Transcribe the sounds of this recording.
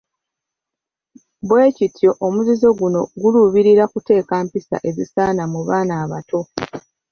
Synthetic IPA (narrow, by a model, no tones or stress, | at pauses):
βwe̞ːcitjo̞ʔomuzizo̞ɡuno̞ɡuluβiɾiɾakute̞ːkaːmpisa̰ʔe̞zisaːnamuβaːnaːβato̞